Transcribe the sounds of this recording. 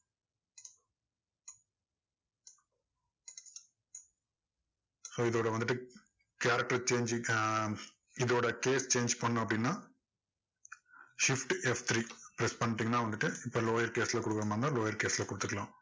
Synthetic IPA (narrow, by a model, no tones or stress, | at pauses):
so̞ːiðoːɽeʋɐnd̪iʈːɨ | kjaːɾɐk̚ʈɐt͡ʃe̞ːɲd͡ʒ | iðoːɽeke̞ːst͡ɕe̞ːɲd͡ʒpoɳːamɐpːɽinːɐ | ʂifʈɨeft̪ʰɾiːpɾespɐɳʈːiŋːnaːʋɐnd̪iʈːɨipːoːlo̞ːjɐɾke̞ːsileːkːuɽukːɐɐmɐnɐloːjɐɾkeːsileːkːuɽut̪ːuʈːɐlaːm